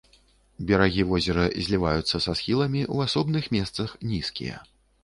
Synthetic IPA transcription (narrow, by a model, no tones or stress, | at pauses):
bʲɛɾaɣʲivɔzʲɛɾɐzʲlʲivajut̪sːɐsasxʲilˠɐmʲiʔṵasɔbnɨxmʲɛst̪sɐxnʲiskʲḭjɐ̰